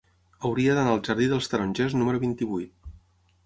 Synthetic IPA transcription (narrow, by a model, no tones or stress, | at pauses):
əwɾiəðənaəlˠʒəɾðiðəlˠst̪əɾonʲʒɛznuməɾuβint̪iβujt̪̚